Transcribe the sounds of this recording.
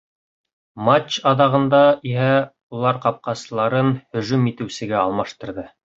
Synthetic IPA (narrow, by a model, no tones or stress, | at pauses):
mat͡ɕɑðɑʁɤ̆nd̪ɑiɦæ | ulˠɑɾqɑp̚qɑsɤ̆lˠɑɾɤnhɵ̆ʒʉmit̪ɘ̆wsɘ̆ɡæɑlˠmɑʃt̪ɤ̆ɾðɤ